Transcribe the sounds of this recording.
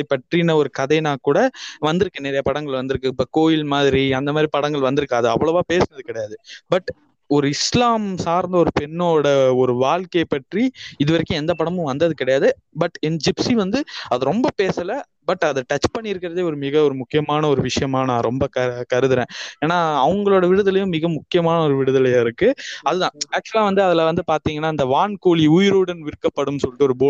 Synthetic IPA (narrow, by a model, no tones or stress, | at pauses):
ɐpːɐʈɾinɐɔɾɯkɐðɐɪnaːkuːɽɐʋɐnd̪ɯɾɯkːɯnɛɾɐjɐpɐɽɐŋɡɐɭʋɐnd̪ɯɾɯkːɯpːɐkoːjɪlmaːðɪɾiɐnd̪ɐmaːðɾipɐɽɐŋɡɐɭʋɐnd̪ɯɾɯkːaːðɯɐ̰ʋːɐɭoʋaːpeːsɐnɐðɯkɪɽɐjaːðɯbɐʈː | ɔɾɯɪslaːmsaːɾnd̪ɐɔɾɯpɛnːoːɽɐɔɾɯʋaːlkepɐʈriɪðɯʋɐɾɪkːʊ̃ɛnd̪ɐpɐɽɐmɯ̃ʋɐnd̪ɐðɯkɪɽɐjaːðɯ | bɐʈːɛnd͡ʒɪpsiʋɐnd̪ɯɐðɯɾɔmbɐpeːsɐlɐ | bɐʈːɐðɐʈɐt͡ʃːpɐɳːɪɾɯkːɪɾɐðeːɔɾɯmɪɣɐɔɾɯmʊkːɪjɐmaːnɐɔɾɯʋɪʂɐjɐmaːnɐɾɔmbɐkɐkɐɾɯðɯɾẽːeːnːaːɐʋɐŋɡɐɭoːɽɐʋɪɽɯðɐlɐjʊ̃mɪɣɐmʊkːɪjɐmaːnɐɔɾɯʋɪɽɯðɐlɐjaːɪɾɯkːɯɐðɯðãːaːk̚t͡ʃʊlaːʋɐnd̪ɯɐðɪlɐʋɐnd̪ɯpaːɾt̪iːŋɡɐnːaːɪnd̪ɐʋaːɳkoːliuːjɪɾuːɽɐnʋɪɾɯkːɐpːɐɽɯnːɯsɔlːɪʈːɯɔɾɯboː